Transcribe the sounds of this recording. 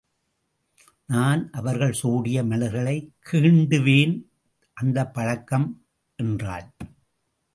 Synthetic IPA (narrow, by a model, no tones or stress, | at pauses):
naːnʔɐʋɐɾɣɐɭsuːɽɪjɐmɐlɐɣɐɭɐɪkʰːiːɳɖɯʋeːn | ʔɐnd̪ɐpːɐɻɐkːɐm | ʔɛndra̰ːl